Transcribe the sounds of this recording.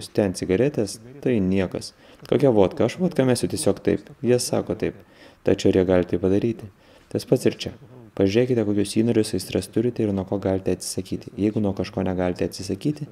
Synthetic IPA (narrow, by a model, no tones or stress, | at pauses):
ʊst̪ʲɛnt̪sʲɪɡɐɾʲɛt̪ʲɛst̪ɐɪnʲiɛkɐs | koːkʲɛʋoːt̪kɐɐʃʋoːt̪kɐmʲæːsʲʊt̪ʲiɛsʲoːkt̪ɐɪpjiɛsɑ̰ːkoːt̪ɐɪp | t̪ɐt͡ʃʲɛʊɪɾjiɛɡɑlʲt̪ɐɪpɐd̪ɐɾʲiːt̪ʲɪ | t̪ɐspɐt̪sɪɾt͡ʃʲɛpɐʒʲyɾʲeːkʲɪt̪ʲɛkoːkʲʊsʲiːnoɔːɾʲʊsɐɪsʲt̪ɾɐst̪ʊɾʲɪt̪ʲɛɪɾnuɔkoːɡɐlʲɪt̪ʲɛɐt̪sʲɪ̥sɐkʲiːt̪ʲɪjɛɪɡʊnuɔkɐʃkoːnʲɛɡɑlʲɪt̪ʲɛɐt̪ʲsʲɪsɐkʲiːt̪ʲɪ